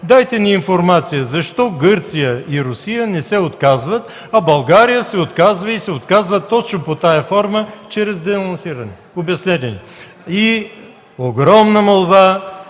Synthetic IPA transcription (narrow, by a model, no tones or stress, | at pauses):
d̪ajt̪ɛniːnfoɾmat̪sijəzɐʃt̪ɔɡɤɾt̪sijəiɾʊsijənɛsɛot̪kazvət̪ | ɐbɐlˠɡaɾijəsɛot̪kazvəisɛot̪kazvət̪ːɔt͡ʃnopot̪ajɐfɔɾmət͡ʃɛɾɛzd̪ɛnonsiɾɐnɛ | objɐsnɛt̪ɛnḭ | i | oɡɾɔmnəmɐlˠba